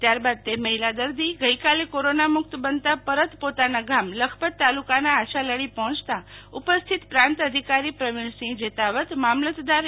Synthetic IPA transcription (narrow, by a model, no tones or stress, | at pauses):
t̪jaɾbad̪̚t̪eməɦilad̪əɾd̪iɡəikalekoɾonamʊkt̪bənt̪apəɾət̪pot̪anaɡamləkʰpət̪ːalukanaːʃaləɽipɔɦɔ̃t͡ʃt̪aupəst̪ʰit̪pɾãnt̪əd̪ʱikaɾipɾəʋɪɳsĩd͡ʒet̪aʋət̪mamlət̪d̪aɾ